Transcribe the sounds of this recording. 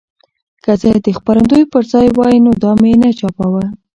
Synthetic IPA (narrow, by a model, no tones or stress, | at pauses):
kat͡sajd̪əxpaɾand̪ojpəɾzɑjwɑjinod̪ɑmjenat͡ʃɑpawə